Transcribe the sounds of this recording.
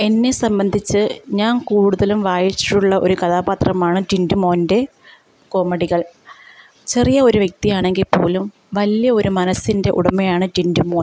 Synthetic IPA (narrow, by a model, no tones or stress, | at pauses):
e̞nːe̞sɐmbɐnd̪ʱit͡ɕːɨɲaːnkuːɽuðɐlumʋaːjit͡ɕːi̥ʈːuɭːɐʔo̞̰ɾukɐðaːbaːt̪rɐmaːɳɨd͡ʑindumo̞ːnde̞ | ko̞ːmːɐɽiɣɐɭ | t͡ɕe̞rijɐo̞ɾuʋje̞k̚t̪ijaːɳe̞ŋɡilpːo̞ːlum | ʋɐlijɐo̞ɾumɐnɐsːinde̞ʔṵɽɐmːejaːɳɨd͡ʑindumo̞ːn